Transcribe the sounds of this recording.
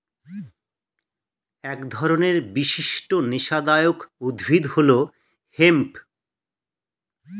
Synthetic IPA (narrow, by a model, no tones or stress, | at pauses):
ɛkd̪ʱɔɾoneɾbiʃiʃʈoniʃad̪aeokud̪bʱid̪holo | hemp